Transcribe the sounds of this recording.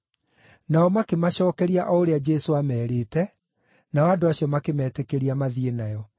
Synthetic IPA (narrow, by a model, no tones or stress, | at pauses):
naɔmakemaɕɔːkɛɾiaʔɔoɾead͡ʒɛsoamɛːɾeːtɛ | naɔadoaɕiɔmakemɛːtekeɾiamaðienajɔ